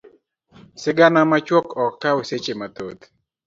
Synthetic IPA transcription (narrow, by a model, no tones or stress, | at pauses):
sɪɡanamat͡ʃwɔkɔk̚taoset͡ʃemat̪ot̪